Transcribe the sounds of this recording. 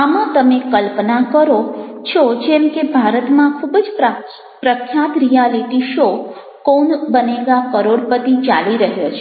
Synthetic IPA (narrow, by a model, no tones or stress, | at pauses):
amãt̪əmekəlpnakəɾot͡ʃʰod͡ʒemkebʱaɾət̪mãkʰubəd͡ʒ | pɾəkʰːjat̪ɾijaliʈiʃo | konbəneɡakəɾoɽpət̪it͡ʃaliɾəɦjot͡ʃʰe